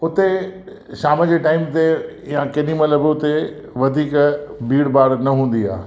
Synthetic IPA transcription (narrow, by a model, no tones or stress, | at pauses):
ʊt̪e | ʃaːməd͡ʑeʈaːɪmt̪e | jãkɐɗimɐləbɪʊt̪e | ʋɐd̪ʱiːkbʱiːɽbaːɽnɐɦũːn̆d̪ia̰ː